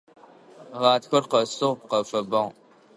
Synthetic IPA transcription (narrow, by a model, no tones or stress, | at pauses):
ʁɑːtxʷɐrqɐsɨʁpqɐfɐbɐŋ